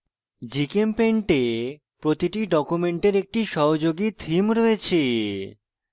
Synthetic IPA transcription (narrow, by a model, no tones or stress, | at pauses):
d͡ʑikempeɳʈe | pɾot̪iʈiɖɔkumeɳʈeɾek̚ʈiʃɔɦod͡ʑoɡit̪ʰimɾɔet͡ɕʰe